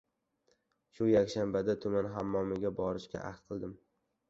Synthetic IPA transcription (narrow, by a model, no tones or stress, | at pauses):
ʃʊjakʲʃambad̪at̪ʰʊmanɦamːɒmɪɡʲabɒɾɪʃkʲa̰ʔaht̪qʰɨlˠd̪ɪm